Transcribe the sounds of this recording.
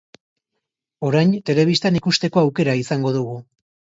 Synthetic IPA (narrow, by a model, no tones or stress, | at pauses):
o̞ɾajnt̪e̞le̞β̞ist̪anikust̪e̞ko̞awke̞ɾaisaŋɡo̞ðuɣu